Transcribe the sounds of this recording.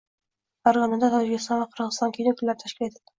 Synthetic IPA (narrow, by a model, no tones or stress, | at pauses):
ɒɾʁɑnɪd̪at̪ʰɒd͡ʒɪkʲɪst̪ɑnvaqʰɨɾʁɨzɨst̪ɑnkʲʰenɪkʲʰʊlːaɾɪt̪ʰaʃkʲɪle̞t̪ʰɪ̥d̪ɪ